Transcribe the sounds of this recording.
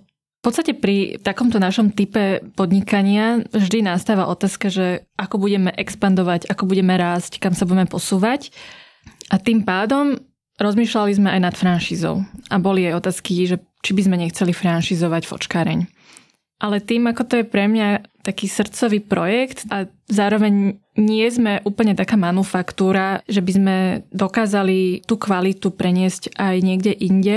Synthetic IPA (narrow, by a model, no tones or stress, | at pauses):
fpɔt̪st̪acɛpɾit̪akɔmt̪ɔnaʃɔmt̪ipɛpɔd̪ɲikaɲɪavʒd̪inast̪aːʋaʔɔt̪aːskaʒɛakɔbuɟɛmɛʔɛkspand̪ɔʋaɟakɔbuɟɛmɛɾaːsckamsabuɟɛmɛpɔsuːʋac | ʔat̪impaːd̪ɔm | ɾɔzmiːʃlalizmɛajnat̪fɾanʃiːzɔ̰ʊʔabɔliajɔt̪aːskiʒɛ | t͡ʃibizmɛɲɛxt͡sɛlifɾanʃiːzɔʋacfɔ̰t͡ʃkaːɾɛ̰ɲ | ʔalɛt̪iːmakɔt̪ɔjɛpɾɛmɲat̪akiːsr̩t͡sɔʋiːpɾɔjɛkt̪a | zaːɾɔʋɛɲɲɪɛzmɛʔuːpl̩ɲɛt̪akaːmanufakt̪uːɾaʒɛbizmɛd̪ɔkaːzalit̪uːkʋalit̪upɾɛɲɪɛscʔajɲɪɛɡɟɛʔiɲɟɛ